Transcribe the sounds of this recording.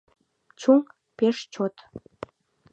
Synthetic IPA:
t͡ɕuŋ | peʃt͡ɕot̪

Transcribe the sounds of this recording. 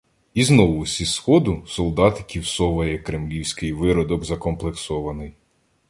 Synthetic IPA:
iznɔʋʊsʲisxɔd̪ʊsɔlˠd̪ɑt̪kʲiwsɔʋɐjɛkɾemlʲiwsʲkɪjʋɪɾɔd̪ɔɡzɐkɔmplˠeksɔʋɐnɪj

